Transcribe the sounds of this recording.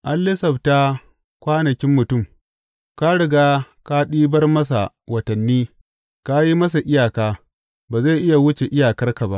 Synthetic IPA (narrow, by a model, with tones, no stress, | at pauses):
ʔa˦lːɪ˦sɐ˨bta˦ | kʷaː˦nɐ˨kʲɪ˦mːʊ˨tʊ˦˨m | ka˦ɽɪ˨ɡaː˦ | ka˦ɗiː˦bɐ˦rmɐ˦s̬a̰˨ | wɐ˨tɐ˨nːiː˦ | ka˦ji˦mɐ˦s̬a˨ʔɪ˦jaː˨kaː˦ | baː˨ze˦˨ʔɪ˦ja˨wʊ˦t͡ʃe˨ʔɪ˦jaː˨kɐ˦rka˨ba˦ʔ